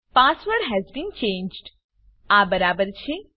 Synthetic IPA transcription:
paːsʋəɾɦɛzbĩːnt͡ʃẽːnd͡ʒɖ | aːbəɾaːbəɾt͡ʃʰe

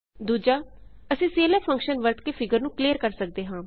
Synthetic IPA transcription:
d̪uːd͡ʒaːəsĩːseːleːpʰə̃ŋkʃənʋəɾt̪keːpʰɪɡəɾnũːkliːəɾkəɾsək̚d̪eːɦãː

